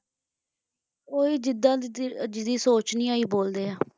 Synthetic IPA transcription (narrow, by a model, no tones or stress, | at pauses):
oːiːd͡ʒɪd̪aːd͡ʒɪd̪iːsoːt͡ʃnĩːaːiːboːld̪eːaː